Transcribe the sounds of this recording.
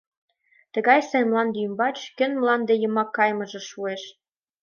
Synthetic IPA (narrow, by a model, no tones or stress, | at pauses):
t̪əɣɑjsenmlɑnd̪eymbɑt͡ɕkø̆nmlɑnd̪ejə̆mɑkːɑjmɤ̆ʒɤ̆ʃueʃ